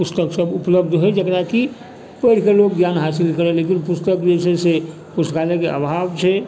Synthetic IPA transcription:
pʊst̪əksəbʊpləbd̪ʱɦed͡ʒəkɾaki | pəɾkeloːɡɡjaːnɦaːsɪlkəɾẽleːk̬ɪnpʊst̪əkdesese | pʊst̪kaːlekeʔə̰bʱaːʋt͡ʃʰe

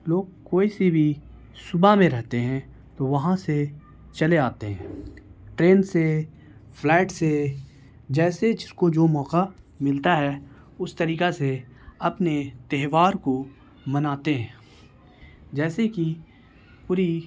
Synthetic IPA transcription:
loːɡ̚koːisebʱi | sʊbamẽɾɛɦt̪eɦɛ̃ | t̪oʋɐɦãse | t͡ʃɐleaːt̪eɦɛ̰̃ːʈɾeːnse | pʰlɛːʈse | d͡ʒɛːset͡ʃkod͡ʒoːmɔːqa | mɪlt̪aɦɛ | ʊst̪ɐɾiːkaseɐpnet̪ɛɦʋaːɾko | mənaːt̪eɦɛ̃ː | d͡ʒɛːseki | pʊːɾi

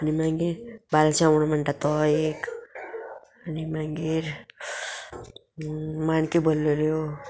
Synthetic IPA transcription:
ənimaŋɡiɾbalsʰawnmaɳʈat̪ɔek | ʌnimaŋɡiɾ | mankebolːoljo

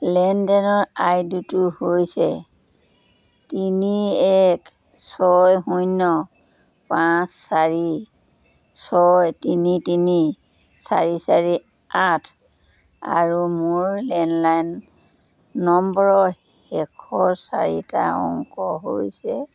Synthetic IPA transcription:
lɛndɛnɔɹajdutuhojsɛ | tiniɛk | sɔjɦujnːɔ | pãsːaɹi | sɔjtinitini | saɹisaɹi | atʰ | a̰ɹumʊɹlɛnlajnː | ɔmbɔɹɔ | ɛkʰɔɹsaɹita̰ɔ̰ŋkɔɦojsɛ

